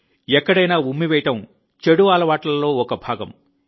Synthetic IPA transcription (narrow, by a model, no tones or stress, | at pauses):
ɛkːɐɽɐjnaːumːiʋɛːjʈɐm | t͡ʃeɽuʋaːlɐʋaːʈlɐlːo̞ːɔkɐbʱaːɡɐ̰m